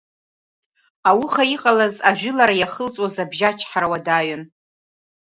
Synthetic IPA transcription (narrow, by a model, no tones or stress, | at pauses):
awʊχaiqʼalazaʒᶣʷʊlaɾajaχəlt͡sʼwazabʒat͡ʃʰħaɾawadaɥʊn